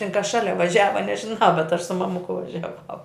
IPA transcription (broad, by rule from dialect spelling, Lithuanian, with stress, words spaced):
tʲɪn kɐs ˈʃɑːlʲɛ ʋɐˈʒʲæːʋɐ nʲɛʒʲɪnɐʊ bʲɛt ɐʃ sʊ mɐˈmʊkʊ ʋɐʒʲɛˈʋɐʊ